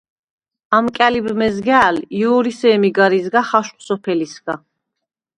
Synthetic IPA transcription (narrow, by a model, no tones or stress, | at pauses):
amkʼɛlibmɛzɡɛːljuɾisɛːmiɡaɾizɡaχaʃsɔpʰɛlisɡ̥a